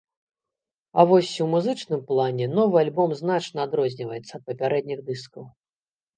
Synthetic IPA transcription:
a̰vɔsʲiwmuzɨt͡ʂnɨmplˠanʲɛnɔvɨalʲbɔmznat͡ʂnɐːd̪ɾɔzʲnʲivɐjɛt̪sːɐːt̪̚pɐpʲaɾɛd̪̚nʲiɣd̪ɨskɐw

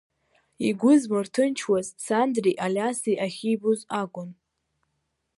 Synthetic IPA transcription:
iɡʷʊzmɨrtʰɨnt͡ʃʰwazsandriʔalʲasiʔaχʲijbʊzakʷʼʊn

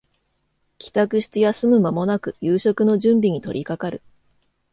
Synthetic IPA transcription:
kʲi̥t̪akɯ̟ɕi̥t̪e̞jasɨmɯ̟mamo̞nakɯ̟jɯːɕo̞kɯ̟no̞ʑɨ̃mbʲiɲ̟it̪o̞̰ɾʲikakaɾɯ̟̰

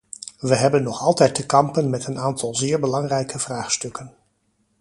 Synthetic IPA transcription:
ʋəɦɛbənːɔχɑlˠtɛjtəkɑmpənmɛtənaːntɑlˠzɪːɹbəlɑŋrɛjkəvraːχstɵkən

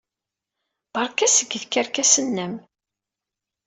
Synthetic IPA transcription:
b̥ɑɾˤkæsəɡːðkːəɾkæsənːəm

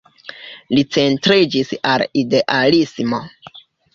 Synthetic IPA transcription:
lit͡se̞ntɾid͡ʒisalide̞ʔalismo̞

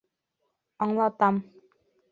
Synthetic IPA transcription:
ɔŋlɔt̪am

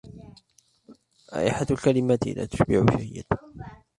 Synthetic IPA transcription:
ʔa̰ːʔɪħat̪lkalɪmat̪ɪ̰la̰ːt̪ʊ̥ʃbɪʕʊʃajːɪ̰d̪

